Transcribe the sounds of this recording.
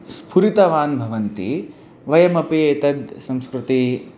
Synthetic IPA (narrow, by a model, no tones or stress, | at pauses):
spʰuɾit̪ɐʋaːnbʱɐʋɐnt̪i | ʋɐjɐmɐpieːt̪ɐd̪sɐ̃mskɾut̪i